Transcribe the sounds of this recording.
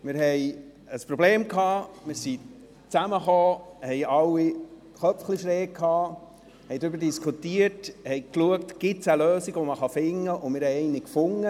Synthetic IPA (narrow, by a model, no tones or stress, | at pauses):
mɪɾɦɛj | əspɾɔbleːmkɑːmɪɾsi | t͡sæməχoːhɛjʔɑwːi | χœpfχliʃɾeːkʰhɑː | hɛjd̪ɾʏbəɾdiskʰutiəɾthɛjkluəktɡ̥ɪt̪səløːsiɡʋɔməχɑfɪŋːəʔʊmɪɾhɛjɛɪnɪkfʊŋːə